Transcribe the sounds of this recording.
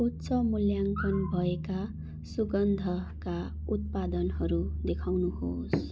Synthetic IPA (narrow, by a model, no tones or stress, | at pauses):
ut̪ːsʌmuljaŋkʌnbʱʌeka | suɡʌnd̪ʱʌka | ut̪̚pad̪ʌnɦʌɾud̪ekʰawnuhos